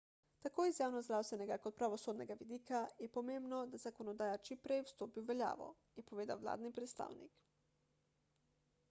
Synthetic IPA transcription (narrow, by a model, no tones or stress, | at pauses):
t̪akoːjizjaːwnɔzd̪ɾaːwst̪ɛnɛɡakɔt̪̚pɾaʋɔsoːd̪nɛɡaʋid̪iːkajɛpɔmembnɔd̪azakɔnɔd̪aːjat͡ʃimpɾɛjwst̪oːpiwʋɛlʲja̰ːʋɔ̰ | jɛpɔʋeːd̪a̰wla̰ːd̪nipɾɛt̪st̪a̰ːwnḭk